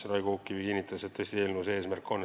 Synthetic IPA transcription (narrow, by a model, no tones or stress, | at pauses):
ɾɑjɡuukːˑivikinʲːit̪ːˑɑset̪t̪ːɤsʲt̪ieːlnuseːsmærkːonː